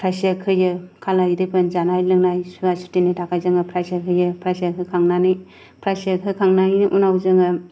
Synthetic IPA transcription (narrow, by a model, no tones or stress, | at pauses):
pʰɾajsiakʰɯjɯkʰalajdɯpʰɯnzanajlɯŋnajsuasu̥tinitʰakʰajzɯŋɯpʰɾajsakʰɯjɯpʰɾajsiakʰɯkʰaŋnanɯj | pʰɾajsiakʰɯkʰaŋnajniʔunawzɯŋɯ